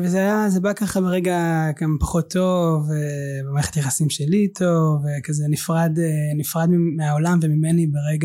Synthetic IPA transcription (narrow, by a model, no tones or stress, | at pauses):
vezeajazebakaχabeʁeɡaɡampḁχot̪ʰːo̞vebemaʁeχet̪jaχasimʃelitʰo̞vekazenifʁad̪nifʁad̪mimeaolamvemimenibeʁeɡa